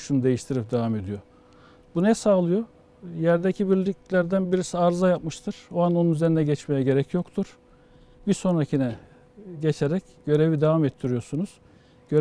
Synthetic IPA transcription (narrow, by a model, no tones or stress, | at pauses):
ʃunud̪e̞jiʃt̪ʰiɾip̚d̪evame̞d̪ijo̞ | bunɛsaːlˠɯjo̞ | jæɾd̪ecʰibiɾlʲiclʲæɾd̪ænbiɾisiaɾzajapmɯʃt̪ʰɯɾ̥oano̞nunyzeɾinɛɟɛt͡ʃmejɛɟe̞ɾɛcʰjo̞kt̪ʰuɾ̥ | biso̞nɾacʰinɛ | ɟet͡ʃʰeɾɛc | ɟø̞ɾe̞vid̪evamɛt̪ʰːiɾijo̞sunuz̥ | ɟ̥øɾ